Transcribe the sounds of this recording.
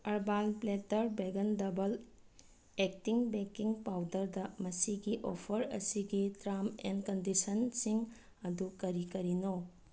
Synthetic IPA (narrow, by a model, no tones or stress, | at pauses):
ɐɾbalpletɐɾbeɡɐndɐbɐl | ek̚tiŋbekiŋpawdɐɾdɐmɐsiɡiʔopʰɐɾɐ̰siɡitɾamḛnkɐndisɐnsiŋ | ɐdukɐɾikɐɾino